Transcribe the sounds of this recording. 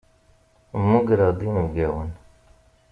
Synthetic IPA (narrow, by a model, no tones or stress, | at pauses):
mːuɡɾɑd̪ˤinəvɡæwən